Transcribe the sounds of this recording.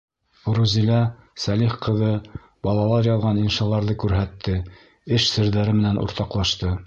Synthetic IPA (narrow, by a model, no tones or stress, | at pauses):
ɾuzilæ | sæliχqɤ̆ðɤ | bɑlˠɑlˠɑɾjɑlˠʁɑninʃɑlˠɑɾðɤkʉɾɦæt̪ʰːɘ | ɘʃsɘ̆ɾðæɾɘmɘ̆nænʔṵɾt̪ɑqlˠɑʃt̪ɤ